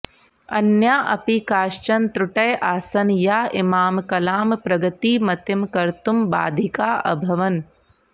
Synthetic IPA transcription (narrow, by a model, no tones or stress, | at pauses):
ɐ̰njaːʔɐ̰pikaːʃt͡ʃɐnt̪ɾuʈɐjʔaːsɐnjaːʔɪmaːmkɐlaːmpɾɐɡɐt̪iːmɐt̪ɐmkɐɾt̪umba̰ːd̪ʱikaːʔɐ̰bʱɐʋɐn